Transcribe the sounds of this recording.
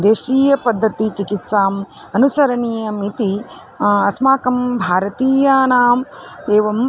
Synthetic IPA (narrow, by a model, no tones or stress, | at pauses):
d̪eːʃiːjɐpɐd̪ʱːɐt̪it͡ʃikit̪saːmɐnusɐɾɐɳiːjɐmit̪i | ɐsmaːkɐmbʱaːɾɐt̪iːjaːnaːmeːʋɐm